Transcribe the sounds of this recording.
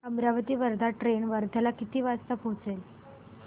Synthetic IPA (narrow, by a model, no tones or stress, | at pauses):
əmɾaʋət̪iːʋəɾd̪ʱaʈɾeɳʋəɾd̪ʱalakit̪iːʋast̪əpɦõt͡sel